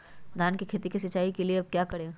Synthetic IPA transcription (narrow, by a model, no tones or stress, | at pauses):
d̪ʱaːnkikʰeːt̪ikis̬ɐt͡ʃːaːikelieɐb̚kjaːkɐɽẽː